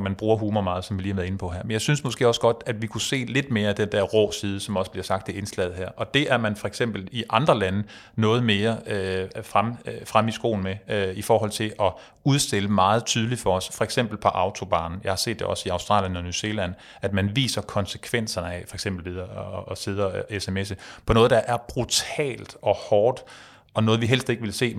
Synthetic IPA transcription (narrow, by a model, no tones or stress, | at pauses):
mænb̥ʁuːɐɦuːmɐmɑ̈ːð̞̩ˠsɒmʋiliːɑʋæɐðˠe̝nəpʰɒ̽ɦæɐ̰menjɑ̈ɪsynsmɔ̽sɡ̥e̝̰ːɒ̽səɡ̥ɒ̽d̥æd̥ʋikʰuse̝̰ːle̝d̥̚me̝ːɐæd̥end̥æɐʁɔ̰ːsiːð̞ˠəsɒ̽mɒ̽sb̥liɐsɑ̈ɡ̥̚d̥ʰe̝e̝nslɛ̰ð̩ˠhæɐ̰ʔɒ̽d̥e̝ʔæɐmænfɒ̽eɡ̥sem̰b̥l̩iʔɑ̈nd̥ʁɐlænə | nɔ̽ːð̞̩ˠme̝ːɐøfʁamfʁamisɡ̥o̝̰ːln̩meifɒːɦɒ̽l̰t͡sʰe̝ʔɒ̽ | uð̞ˠsd̥e̝ləmɑ̈ːð̞̩ˠt͡sʰyːð̞ˠli̥fɒ̽ɒsfɒ̽eɡ̥sem̰b̥l̩pʰɒ̽ʔɑ̈ʊt͡sʰo̝b̥ɑ̈ːnn̩jɑ̈ɪhɑ̈se̝̰ːd̥ːeʔɒ̽siɑ̈ʊsd̥ʁɑ̰̈ːljənɒ̽nuse̝læn̰ | æd̥mænʋḭːsɐkʰɒ̽nsə̥kʰʋen̰sɐnəæfɒ̽eɡ̥semb̥l̩ʋið̞ˠɐse̝ð̞ˠɐesemes̬əpʰɒ̽nɔ̽ːðˠd̥ɑ̈ʔæɐb̥ʁut͡sʰɛ̰ːld̥ɒ̽hɒːd̥ | ʔɒ̽nɔ̽ːð̞̩ˠʋiɦel̰sd̥e̝ɡ̥əʋe̝lse̝̰ː